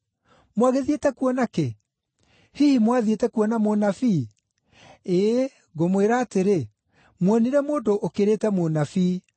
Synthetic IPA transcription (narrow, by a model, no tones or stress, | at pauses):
mwaɣeðietɛkuɔnake | hihimwaðietɛkuɔnamonafi | e | ɡomweɾaːteɾe | mwɔniɾɛmoːndoʔokeɾetɛmonafi